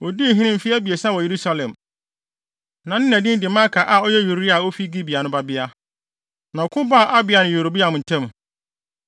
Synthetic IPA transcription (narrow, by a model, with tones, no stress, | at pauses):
ɔ˨di˦˨ɦĩ˦nɪ̃˦m̩˨fi˦æ˦bi˨e˨sã˦wɔ˨je˨ɾu˦sa˦lɛ̃˨m | nã˨nɪ̃˦næ̃˨dɪ̃˦n˦dɪ˨mã˦kʰa˨ʔa˨ɔ˦jɛ˦ju˨ɾi˦a˨o˦fi˦ɡi˦bi˨a˨nʊ̃˦ba˦bɪ˦a˦ | nã˨ɔ˨kʰʊ̃˦ba˦˨ʔa˦bɪ˨a˨nʊ̃˨o˨ɾo˨bi˦a˨mʊ̃˨n̩˨tʰɛ̃˦m